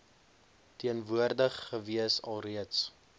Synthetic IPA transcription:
tiənvuərdəχːəviəsɐlˠriəts

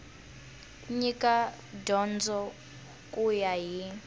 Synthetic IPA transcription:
ɲika | dɔnd͡zɔ | kʼujaɦi

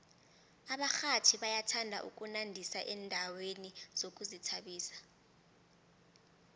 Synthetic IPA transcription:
aɓaxatʰiɓajatʰandʱa̰ʔṵk̬ʼunandʱisaʔɛndʱawenizok̬ʼuzitʰaɓiːsḁ

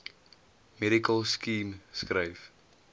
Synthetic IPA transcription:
mɛɾikəlˠskiːmskrəjf

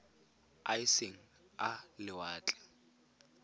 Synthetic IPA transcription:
aɪseŋ̩alɪwaːt͡ɬʼɛ̥

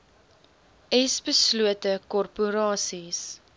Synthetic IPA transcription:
ɛsbəsluətəkɔrpuɾɑːsis

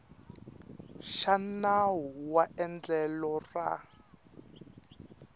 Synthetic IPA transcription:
ʃanaɦuwaʔɛnd͡ɮɛlɔra̰

